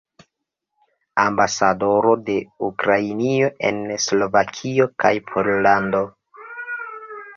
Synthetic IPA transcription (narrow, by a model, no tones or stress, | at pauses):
ambasado̞ɾo̞de̞ukɾainio̞ʔe̞̰nslo̞vakʰio̞kajpʰoɾlando̞